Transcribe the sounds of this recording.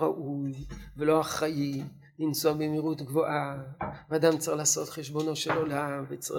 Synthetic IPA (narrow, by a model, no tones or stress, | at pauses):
ʁaʔujvelo̞aχaji | linsuabemiʁut̪ɡvo̞ʔavead̪amt͡saelaːso̞tχeʃbo̞no̞ʃe̞lo̞lamvet͡s